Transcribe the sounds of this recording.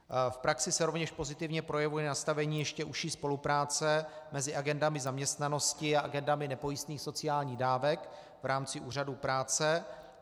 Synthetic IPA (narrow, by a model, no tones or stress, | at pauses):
fpɾaksɪsɛɾo̞vɲɛʃpo̞zɪt̪ɪvɲɛpɾo̞jɛvujɛnast̪avɛɲiːjɛʃcɛʔuʃiːspo̞lupɾaːt͡sɛmɛzɪʔaɡɛndamɪzamɲɛst̪nano̞scɪaʔaɡɛndamɪnɛpo̞jist̪niːxso̞t͡sɪjaːlɲiːɣdaːvɛk | vɾaːmt͡sɪʔuːr̝aduːpɾaːt͡sɛ